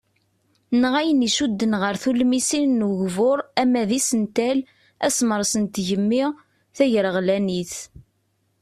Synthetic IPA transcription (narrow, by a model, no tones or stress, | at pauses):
nʁæjəniʃud̪ːənʁəɾθulmisinnuʝvʊɾˤæmæðisənt̪æl | æsməɾˤsənt̪ʝəmːɪʁ | θæʝəɾəʁlæniθ